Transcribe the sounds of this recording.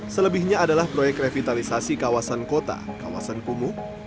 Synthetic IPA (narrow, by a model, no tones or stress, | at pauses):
sələbihɲaːdalahpɾojɛk̚refit̪alisasikawasankot̪a̰ka̰wa̰sankumu